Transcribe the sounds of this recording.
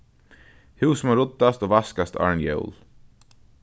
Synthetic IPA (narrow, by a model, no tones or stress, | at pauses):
hʉwsmaɾʊt̪ːast̪oːvaskast̪a̰ɹnjɛ̰ʊl